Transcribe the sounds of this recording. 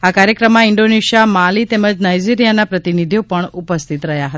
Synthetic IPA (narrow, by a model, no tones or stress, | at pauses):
akaɾjəkɾəmːãɪɳɖoneʃijamalit̪eməd͡ʒnajd͡ʒiɾijanapɾət̪inid̪ʱjopəɳupəst̪ʰit̪ɾəɦjaɦət̪a